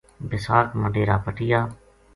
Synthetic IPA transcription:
bɪsaːkməɖeːɾaːpəʈɪjaː

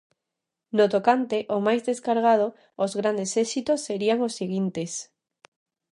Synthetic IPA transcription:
not̪okant̪eʔomajzðeskaɾɣ̞að̞o | ozɣɾand̪esesit̪osːeɾiaŋosːiɣ̞int̪es

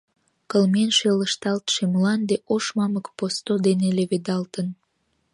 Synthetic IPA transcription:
kəlmenʃeləʃt̪ɑlt̪ʃeməlɑnd̪eʔoʃmɑməkpost̪od̪eneleβed̪ɑlt̪ən

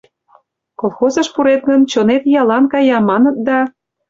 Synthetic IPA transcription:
kolˠxozəʃpuɾet̪̚ɡənt͡ɕonet̪jɑlɑnkɑjɑmɑnət̪̚d̪ɑ

